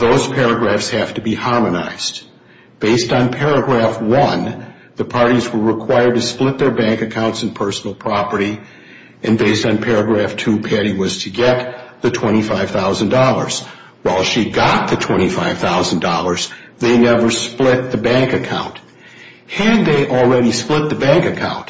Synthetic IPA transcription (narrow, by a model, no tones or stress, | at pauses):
ðoʊz̥pʰɛɹɨɡɹæfshæftɨbihɑɹmɨna̰ɪz̥d | b̥eɪstn̩pʰɛɹɨɡɹæfwʌ̃n | ðɨpʰɑɹɾizwə˞ɹɨkʰw̥aɪə˞d̚tɨsplɪt̪̚ðə˞bæ̃ŋkɨkʰãʊ̃ntsn̩pʰɜ˞sn̩l̩ˠpʰɹ̥ɑpə˞ɾi | ɨ̃nbeɪstn̩pʰɛɹɨɡɹæftʰʉpʰɛɾiwʌz̥tʰɨɡɛt̪̚ðɨtʰw̥ɛ̃ɾ̃ifaɪv̥θaʊzɨ̃ndɔlˠə̰˞z̥ | waɪlˠʃiɡɑt̪̚ðɨtʰw̥ɛ̃ɾ̃ifaɪv̥θaʊz̃n̩dɔlˠə˞z̥ | ðeɪnɛvə˞splɪt̪̚ðɨbæ̃ŋkɨkʰã̰ʊ̃nt | hɨd̪̚ðeɪʔl̩ˠɹɛɾisplɪt̪̚ðɨbæ̃ŋkɨkʰã̰ʊ̃nt